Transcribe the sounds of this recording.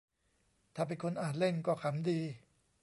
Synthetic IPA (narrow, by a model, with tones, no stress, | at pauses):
t̪ʰaː˨˩p̬e˧nkʰo˧nʔaː˨˩t̪̚le˥˩nkɔː˥˩kʰa˨˦mdiː˧